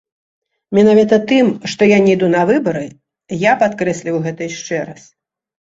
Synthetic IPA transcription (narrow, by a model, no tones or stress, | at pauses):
mʲɛnavʲit̪ɐt̪ɨmʂt̪ɔjanʲɛjd̪unɐvɨbɐɾɨ | japat̪kɾɛsʲlʲiwɣɛt̪ɐjʂt͡ʂɛɾas